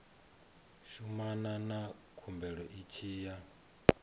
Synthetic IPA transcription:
ʃumanana | kʰumbɛɺɔʔit͡ʃʰiːja

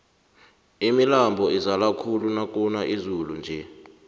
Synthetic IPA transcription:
imilambʱɔizalakʰulunak̬ʼunaʔizulund͡ʒʱɛ

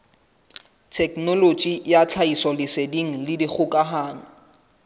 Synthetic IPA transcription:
tʰɛknɔlot͡ʃʼijat͡ɬʰaisɔlɪsediŋ̩lɪdik͡xʰʊkʼaɦaːnʊ

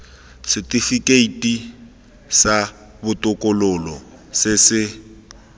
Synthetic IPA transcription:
sɪtʼifikʼeitʼi | sa | bʊtʼʊkʼʊlʊlɔ | sɪsɪ

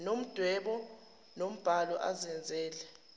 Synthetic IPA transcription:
nom̩d̥ʱwɛɓɔ | nom̩b̥ʱalɔʔazɛnd͡zʱɛːlɛ

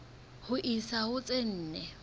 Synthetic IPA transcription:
hʊʔisahʊt͡sʼen̩ːnɛ

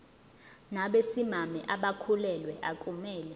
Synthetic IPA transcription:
naɓesimamɛʔaɓakʰulɛlwɛʔakʼumɛːlɛ

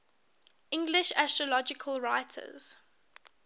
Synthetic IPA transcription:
ʔɪ̃ŋɡlɪʃæstɹɔlɔd͡ʒɪkʰəlˠɹaɪtʰə̰z̥

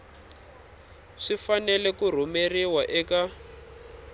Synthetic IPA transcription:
ʂifanɛlɛkur̤umeriwaʔɛka

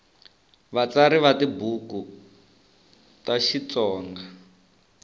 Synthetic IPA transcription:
βat͡saɾiβatibuku | taʃit͡sɔːŋɡa

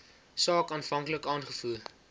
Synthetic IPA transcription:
sɑːkɑːnfɐŋkləkɑːnχəfuə

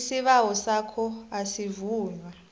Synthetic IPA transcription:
siɓawɔsakʰɔasivuːɲwa

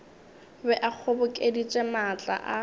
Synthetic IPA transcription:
bɛʔak͡xʰʊbʊkʼedit͡ʃʼɛmat͡ɬʼa̰ʔa

